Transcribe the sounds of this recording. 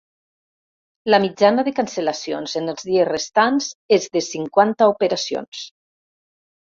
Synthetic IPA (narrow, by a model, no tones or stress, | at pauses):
ləmid͡ʒanaðekanselasionzenəlˠzðiesrest̪anz̥ezðesiŋkwant̪aupeɾasio̰ns